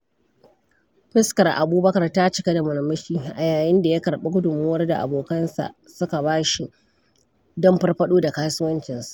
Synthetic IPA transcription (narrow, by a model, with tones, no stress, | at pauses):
ɸɪ˦skɐ˨rʔa̰˨buː˦bɐ˦kɐ˨rta˦t͡ʃɪ˨˦ka˦da˨mʊ˨lɐ˨mːɐ˦ʃiː˦ʔa˨jaː˨jɪ˦nda˨ja˦kɐ˨ɽɓe˦ɡʷʊ˦dʊ˨mːʊː˦wɐ˦rda̰˨ʔa̰˨boː˨kɐ˦nsa̰˨ʔ | sʊ˦ka˨baː˦ʃi˨ | dɔ˦mɸɐ˦rɸɐ˦ɗoː˦da˨kaː˦sʊ˦wɐ˦nt͡ʃɪ˨nsḁ˦˨ʔ